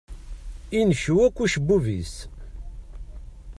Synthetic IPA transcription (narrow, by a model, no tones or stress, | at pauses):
inʃuwækʷːuʃəbːuvḭs